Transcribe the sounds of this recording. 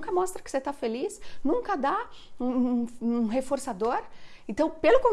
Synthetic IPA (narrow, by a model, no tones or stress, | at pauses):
kɐmɔst̪ɾɐkɪ̥set̪afelisnũŋkɐd̪aũũɦefoɾsad̪oɾẽnt̪ɐ̃w̃pelʊkõm